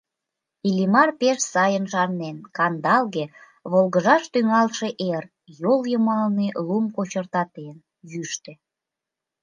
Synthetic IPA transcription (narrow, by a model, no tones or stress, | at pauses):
ilʲimɑrpeʃsɑjənʃɑrnenkɑnd̪ɑlɣe | βolɣəʒɑʃt̪yŋɑlʃe̽ʔer | joljəmɑlnilumkot͡ɕərt̪ɑt̪en | jyʃt̪ĕ